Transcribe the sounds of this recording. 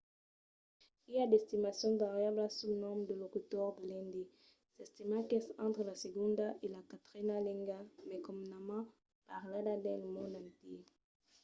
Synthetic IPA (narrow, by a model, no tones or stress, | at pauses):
iad̪est̪imasjɔ̃vaʁjablasunɔ̃md̪əlokut̪ɔʁdəlɛ̃nd̪i | sɛst̪imakesɑ̃nt̪ʁəlaseɡũnd̪aʔelakat̪ʁinalɛ̃ŋɡamekɔmnamã | paʁladad̪ɛlmɔ̃nd̪ãnt̪i